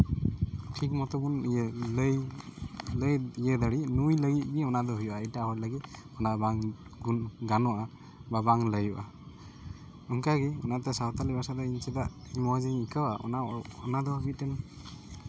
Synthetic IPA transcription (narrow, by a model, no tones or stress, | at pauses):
tʰik̚mɔtɔɡunləj | ləjijɛd̪aɽinujləɡit̚biɔnad̪ɔɦujuʔaijtahɔlaɡit | ɔnabaŋɡunɡanɔʔa | babaŋləjuʔa | ɔŋkaɡiɔ̰natɛsatalibasadainsɛdaʔ | imɔziŋikʰawaʔɔ̰naɔnad̪ɔhabitɛn